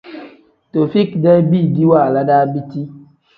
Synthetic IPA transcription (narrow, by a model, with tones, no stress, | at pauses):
to˨fi˦kdɛ˦bi˦˨di˦wa˦˨la˦da˦bi˦ti˦